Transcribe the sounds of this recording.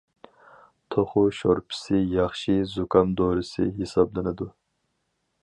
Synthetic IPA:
t̪ʰoχʊʃoɾpʰɪ̥sɪjɑχʃizukʰɑmd̪oːɾɨsɨ̰ɦesɑblˠɨnɨd̪u

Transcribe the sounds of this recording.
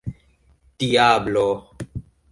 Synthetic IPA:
t̪ijaːbloː

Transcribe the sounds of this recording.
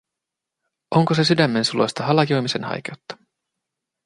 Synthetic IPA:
ʔo̞ŋkose̞sydæmːe̞nsulo̞̰jst̪ɑɦɑlɑkio̞jmise̞̰nhɑ̰jk̟e̞wt̪ːɑ̥

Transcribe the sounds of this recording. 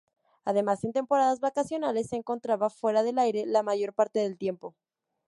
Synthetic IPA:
aðe̞mase̞nt̪e̞mpo̞ɾaðazβakasjo̞nale̞sːe̞ːŋko̞nt̪ɾaβafwe̞ɾaðe̞lajɾe̞lamaʝo̞ɾpaɾt̪e̞ðe̞lt̪je̞mpo̞

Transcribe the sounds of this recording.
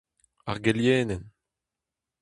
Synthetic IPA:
a̰ʁɡɛljɛːnɛn

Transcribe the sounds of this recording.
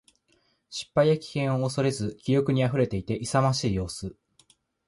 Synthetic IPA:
ɕi̥pːaijakʲi̥kẽ̞ɰ̃o̞ːso̞ɾe̞zɨkʲijo̞kɯ̟ɲ̟iaɸɯ̟ɾe̞t̪e̞it̪e̞ʔisamaɕiːjo̞ːsɨ

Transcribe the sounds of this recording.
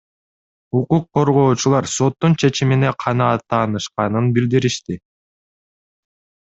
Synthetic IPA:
uquqʰːo̞ɾʁo̞ːt͡ʃulˠɑɾso̞t̪ːunt͡ʃʰe̞t͡ʃimine̞qʰɑnɑːt̪ːɑːnɯʃqɑnɯnbild̪iɾiʃt̪i

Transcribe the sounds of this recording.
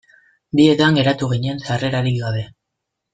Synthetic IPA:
d̪ie̞t̪aŋɡe̞ɾat̪uɣ̞iɲensare̞ɾaɾik̚ɡaðe̞

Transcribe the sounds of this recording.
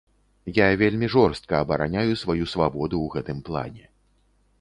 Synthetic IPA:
javʲelʲmʲiʐɔrst̪̚kɐːbɐɾa̰nʲajusvajusvabɔd̪uwɣɛt̪ɨmplˠa̰nʲɛ

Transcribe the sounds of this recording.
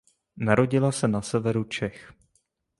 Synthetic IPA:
naɾo̞ɟɪlasɛnasɛvɛɾut͡ʃɛx

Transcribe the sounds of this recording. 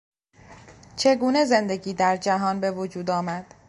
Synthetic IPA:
t͡ʃʰe̞ɡuːne̞ze̞nd̪e̞ɡiːd̪æɾd͡ʒæɦɒːnbe̞vod͡ʒuːd̪ɒːmæd̪̥

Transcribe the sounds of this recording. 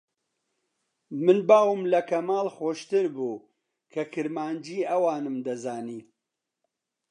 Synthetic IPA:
mɨnbaːwɨmlɐkɐmaːlxoːʃt̪ɨɾbuː | kʰɐkʰɨɾmaːnd͡ʒiːɐwaːnɨmd̪ɐzaːniː

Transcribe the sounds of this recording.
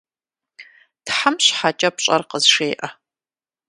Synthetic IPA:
tħamɕħat͡ʃʼɐp̚ɕʼɐ̰rqəzʂeːʔɐ

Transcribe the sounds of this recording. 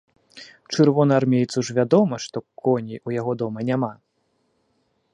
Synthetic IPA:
t͡ʂɨrvɔnɐarmʲejt̪suʐvʲad̪ɔmɐʂt̪ɔkɔnʲiʔujaɣɔd̪ɔmɐnʲama

